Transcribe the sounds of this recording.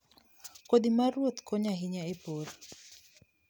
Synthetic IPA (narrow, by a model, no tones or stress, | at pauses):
kodimaɾwot̪kɔɲaɦiɲaepoɾ